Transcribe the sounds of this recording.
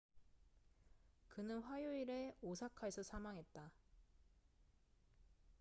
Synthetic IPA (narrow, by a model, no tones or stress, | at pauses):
kɯnɯnɸwajoiɾe̞osʰakʰaesʰʌsʰamaŋɦe̞t̚t͈a